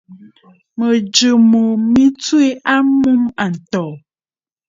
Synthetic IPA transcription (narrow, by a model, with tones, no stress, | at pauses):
mə˨d͡ʒə˨mo˨mi˦t͡swe˦ʔa˦mu˦ma˨n̩˨tɔ˨